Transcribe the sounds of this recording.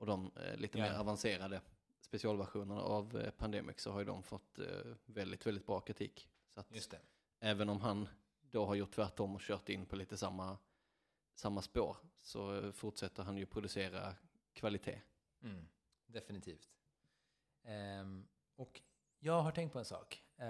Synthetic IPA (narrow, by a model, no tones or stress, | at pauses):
ɔd̪ɔmlḭːt̪əmeːɾavanseːɾad̪ə | spɛsɪɑːlvæɾɧuːnəɳa̰ʔavpʰand̪eːmɪ̰ksɔhaɾjd̪ɔ̰mfɔt̪ːvɛld̪ɪt̪vɛld̪ɪt̪̚bɾɑːkʰɾɪt̪ʰḭːk | sɔat̪jst̪ɛ | æːvənɔmɦan | d̪ɔɦaɾjʊʈ̪ːʰvæʈːɔmːɔɕœːɾʈ̪ɪnːpʰɔliːt̪əsamːa | samːaspo̰ːɾsɔfʊʈʂɛt̪ʰːəɾɦanjɵpʰɾʊd̪ɵseːɾa̰ | kʰvalɪt̪ʰḛː | d̪ɛfɪnɪt̪ʰiːft̪ | ɔk | jɑːɡɦaʈʰɛŋkt̪pʰɔɛnsɑ̰ːk